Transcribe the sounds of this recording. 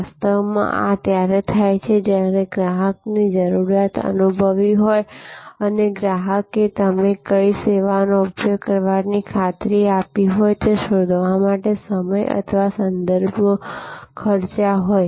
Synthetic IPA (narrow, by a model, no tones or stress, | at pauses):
st̪əʋmã̰ʔa̰t̪jaɾet̪ʰajt͡ʃʰed͡ʒjaɾeɡɾaɦəknid͡ʒəɾuɾjat̪ə̰nubʱəʋiɦojəneɡɾaɦəket̪əmekəiseʋanoupjoɡkəɾʋaɾnikʰat̪ɾiapiɦojt̪eʃod̪ʱʋamaʈesəməjə̰t̪ʰəʋasənd̪əɾbʱ | kʰəɾt͡ʃaɦoj